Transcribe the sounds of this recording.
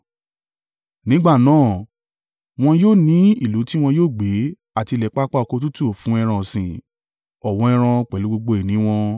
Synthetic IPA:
nĩ˨˦ɡ͡ba˦˨nãː˦˨ | w̃ɔ̃˧joː˦˨nĩ˨˦i˦˨lo˨˦ti˦w̃ɔ̃˧joː˦˨ɡ͡be˨˦ | a˦˨ti˧lɛ˨k͡pa˦k͡pa˦ɔ˧ko˧t̬u˦tu˦o˦˨fũ˨˦ɛ˧ɾ̃ã˨sĩ˨ | ɔ˨w̃ɔ̃˨˦ɛ˧ɾ̃ã˧k͡pɛ˨lu˨˦ɡ͡bo˧ɡ͡bo˧e˨nĩ˨˦w̃ɔ̃˧

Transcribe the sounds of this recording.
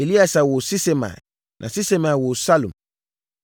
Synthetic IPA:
e˨li˦a˨sa˨wo˨si˦se˦mã̰˨ | nʔã˨si˦se˦mã˨wo˨sa˦lṵ̃˨

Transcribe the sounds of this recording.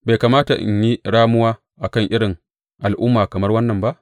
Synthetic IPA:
ba˨jkaː˨maː˦ta˨ʔɪ̰˨ɲji˦ɽaː˦mʊ˦waː˦ | ʔa˨kɐ˦ŋʔɪ˦ɽɪ˨ŋ | ʔa˨lʔʊ˦mːaː˨kɐ˨mɐ˦rwɐ˦nːɐ˨mba˦ʔ

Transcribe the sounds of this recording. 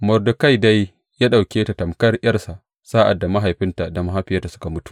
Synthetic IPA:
mɔ˨rdo˨ka˦jda˦j | jaː˦ɗa˨wkʲeː˦ta˨tɐ˨mkɐ˦rj̰ɐ˦rsa˨ʔ | saː˦ʔa̰˨dːa˨ma˦ɦa˨jɸɪ˦nta˨da˨ma˦ɦaː˦ɸɪ˦ja˦ta˨sʊ˦ka˨mʊ˦tu̥˨ʔ

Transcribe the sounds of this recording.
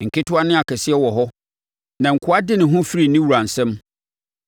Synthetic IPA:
ŋ̩˨kʰɪ˦tʰʊ˦a˦nɪ̃˦a˨kʰɛ˨sɪ˦ɛ˦wɔ˨ɦɔ˦ | nã˨ŋ̩˨kʰʊ˨˦a˦dɪ˦nɪ̃˨ɦʊ̃˦fi˦ɾi˨˦nĩ˦wu˨ɾã˨n˨sɛ̃˦m

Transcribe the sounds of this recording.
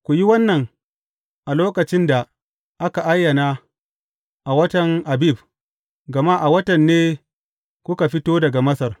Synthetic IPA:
kʷu˨ji˦wɐ˦nːɐ˨ŋ | ʔa˨loː˦kɐ˨t͡ʃɪ˦nda˨ | ʔa˦ka˨ʔa˦jːɐ˨na˦ | ʔa˨wɐ˦tɐ˨ŋʔa˨bi˦˨b | ɡɐ˨ma˦ʔa˨wɐ˦tɐ˨nːeː˦ | kʷʊ˦ka˨ɸɪ˦toː˦dɐ˨ɡa˨mɐ˦sɐ˨r

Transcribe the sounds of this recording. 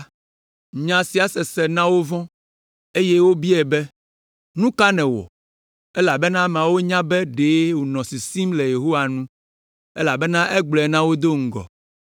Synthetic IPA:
ɲã˨si˨a˨sɛ˨sɛ˨nã˦wo˦vɔ̃˦ | e˦jɛ˦wo˦bi˦ɛ˨bɛ˦ | nũ˦ka˦nɛ̃˨wɔ̰˨ | ɛ˦la˨bɛ˦nã˦m˨ã˨wo˦ɲã˦bɛ˦ɖe˨˦wo˨nɔ̃˨si˨sĩ˦mle˨je˨ɦo˦wa˨nũ˦ | ɛ˦la˨bɛ˦nã˦ʔɛ˦ɡ͡blɔ˨nã˦wo˦d̪o˦ŋ̩˨ɡɔ̰˨

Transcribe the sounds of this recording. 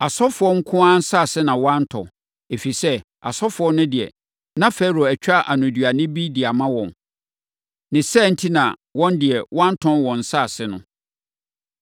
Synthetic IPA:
a˨sɔ˦fʊ˨ɔ˦ŋ̩˦kʰʊ̃˦a˦n̩˦sa˦˨sɪ˦nã˨wã˦n̩˦tʰɔ̰̃˨ | e˨fi˨sɛ˦ | a̰˨sɔ˦fʊ˨ɔ˦nːʊ̃˦dɪ˨ɛ̰˨ | nã˦fe˦ɾo˨æ˨t͡ɕᶣa˦ʔa˨nʊ̃˨dɥa˨nɪ̃˦bi˦dɪ˨a˨mã˦wɔ̃˨n | nɪ̃˨sɛ˦˨n̩˦tʰi˦nã˨wɔ̃˦ndɪ˨ɛ˨wʔã˦n˦tʰɔ̃˦nwɔ̃˨n̩˨saː˦˨sɪ˦nʊ̰̃˦

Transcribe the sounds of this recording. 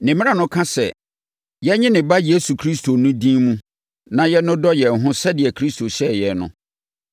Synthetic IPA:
nɪ̃˨mɪ̃˦ã˨nʊ̃˦kʰã˦sɛ̰˨ | jɛ˦ɲɪ̃˦nɪ̃˨ba˦je˦su˨kʰɾi˦stʰo˨nʊ̃˦dĩ˦mũ˦ | nã˨jɛ˦nʊ̃˦dɔ˦jɛ˨n̩˨ɦʊ̃˦sɛ˦dɪ˨ɛ˨kʰɾi˦sto˨ɕɛ˦jɛ˨nʊ̰̃˦

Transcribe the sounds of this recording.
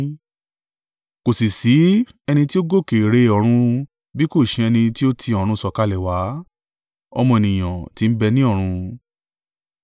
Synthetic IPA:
ko˨si˨si˨˦ | ɛ˧nĩ˧ti˦o˦ɡo˦˨ke˨ɾe˧ɔ˨ɾ̃ũ˧ | bi˦ko˦˨ʃĩ˧ɛ˧nĩ˧ti˦o˦tʰĩ˧ɔ˨ɾ̃ũ˧sɔ˨ka˧lɛ˨wa˨˦ | ɔ̰˧mɔ̃˧e˨nĩ˨j̃ã˨ti˨˦n̩˦bɛ˧nĩ˦ɔ˦˨ɾ̃ũ˧

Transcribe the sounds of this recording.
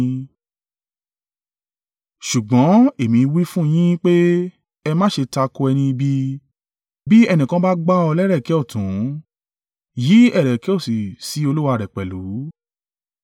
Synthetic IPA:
ʃu˨ɡ͡bɔ̃˨˦e˨mĩ˨˦˧wi˦fũ˦˧j̃ĩ˦k͡pe˦ | ɛ˧mã˦ʃe˧ta˧ko˧ɛ˧nĩ˧i˧bi˧ | bi˦ɛ˧nĩ˨kã˦ba˦ɡ͡ba˦ɔ˧lɛ˦ɾɛ˦˨kɛ˨˦ɔ˦˨tũ˨˦ | ji˨˦ɛ˦˨ɾɛ˨kɛ˦o˦˨si˨si˨˦o˧lu˦wa˧˨ɾɛ˨k͡pɛ˨lu˨˦

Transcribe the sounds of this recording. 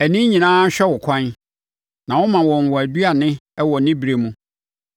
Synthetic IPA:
æ˨nĩ˦ɲĩ˨nãː˦ɕᶣɛ˦wʊ˨kʰã˦n | nã˨wɔ˦mã˨wɔ̃˨n˨wɔ˨æ˨du˦a˨nɪ̃˦ɛ˦wɔ˨nɪ̃˦bi˨ɾe˨mũ˦

